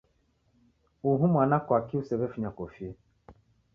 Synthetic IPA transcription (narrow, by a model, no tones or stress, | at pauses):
uɦumʷanakʷakiusebefiɲakofie